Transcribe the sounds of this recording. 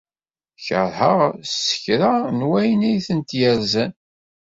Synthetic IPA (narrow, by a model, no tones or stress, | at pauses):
çəɾˤhəʁsə̥çɾanwæjənæjθənt̪jæɾzæn